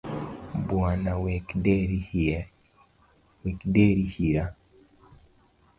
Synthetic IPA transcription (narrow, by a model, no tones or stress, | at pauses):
bwanawɛkdeɾihi | wɛkdeɾihiɾa